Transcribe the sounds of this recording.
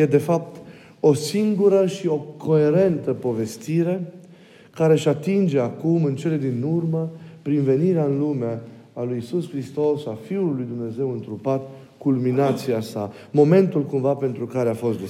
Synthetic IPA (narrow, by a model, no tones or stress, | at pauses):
je̞d̪e̞fap̚t̪ | o̞siŋɡuɾəʃio̞kʰo̞e̞ɾe̞nt̪əpo̞ve̞st̪iɾe̞ | kaɾe̞ʃat̪ind͡ʒe̞akumɨnt͡ʃe̞le̞d̪inurməpɾinve̞niɾeaɨnlume | alujisuskɾist̪o̞safiulːujd̪umne̞ze̞wɨnt̪ɾupat̪ | kulminat̪siasa | mo̞me̞nt̪ulkumvape̞nt̪ɾukaɾeafo̞st̪d̪e